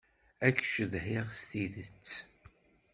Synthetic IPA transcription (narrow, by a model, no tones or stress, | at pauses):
ækːʃəðhɪʁst̪iðət͡sː